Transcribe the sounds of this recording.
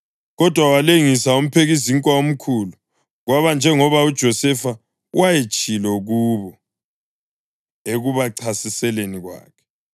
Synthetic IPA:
ɣɔd̥ʱwawaleŋisaum̩pʰeɣiziŋkʼwaom̩kʰulu | ɣwaβand͡ʒʱɛŋɔβaud̥ʒ̥ʱɔsɛfa | wajet͡ʃʼilɔɣuβɔ | eɣuβaǀʰasisɛleniɣwa̰ːkʰɛ̥

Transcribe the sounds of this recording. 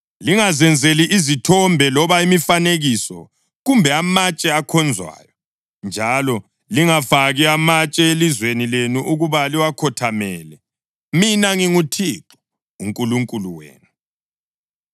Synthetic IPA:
liŋazɛnd͡zʱeliʔːzitʰɔmbʱɛlɔβaimifaneɣisɔ̰ | ɣumbʱɛamat͡ʃʼɛakʰɔnd͡zʱwa̰ːjɔ | nd͡ʒʱalɔ | liŋafaɣiamat͡ʃʼɛelizwenilenuʔuɣuβaliwakʰɔtʰamɛːlɛ | minaŋiŋutʰiǁu̥ | uŋkʼuluŋkʼuluwḛːnu

